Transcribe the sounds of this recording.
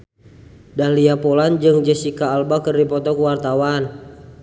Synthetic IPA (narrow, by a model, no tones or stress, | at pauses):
daliapoland͡ʒɨŋd͡ʒɛsikaːlbakɨrdipɔt̪ɔkuwart̪awan